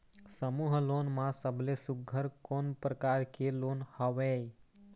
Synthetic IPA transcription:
səmuːɦloːnmãsəblesʊɡʱːəɾkoːnpɾəkaːɾkeloːnhəʋeːj

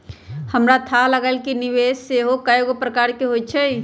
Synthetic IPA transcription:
həmɾat̪ʰaləɡəlkiniʋesseɦokajoɡpɾəkaːɾkeɦojt͡ʃʰɛj

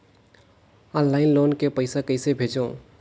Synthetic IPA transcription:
ənlaːɪnloːnkepəɪsakəɪsebʱed͡ʒõ

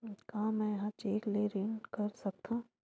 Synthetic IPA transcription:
kãːmɛ̃jɐɦãt͡ʃeːkleɾeːnɖkɐɾsɐk̚t̪ʰãː

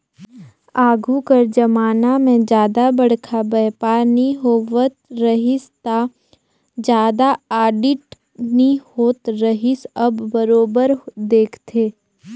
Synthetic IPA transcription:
aːɡʱukəɾd͡ʒɐmaːnamẽd͡ʒjaːd̪abɐɽ̤kʰabɛːpaːɾniɦoːʋət̪ɾəɦɪst̪a | d͡ʒjaːd̪aaːɖɪʈ | nihoːt̪ɾəɦɪsɐbːəɾoːbəɾd̪eːkʰt̪ʰeː

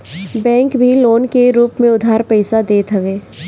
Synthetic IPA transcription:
bɛ̃ːŋkbʱiloːnkeɾuːpmẽʊd̪ʱaːɾpɛɪsad̪eːt̪ɦɐʋeː

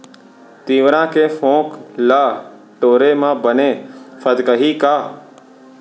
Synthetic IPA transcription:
t̪iːʋɾãːkeːfõːklaː | ʈoːɾemãːbəneːfʰəd̪kəɦiːkaː

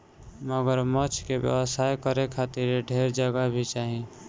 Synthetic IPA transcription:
məɡəɾmət͡ʃʰkebjə̰wəsajkəɾekʰat̪iɾeɖʱeɾd͡ʒəɡabʱit͡ʃaːɦĩ

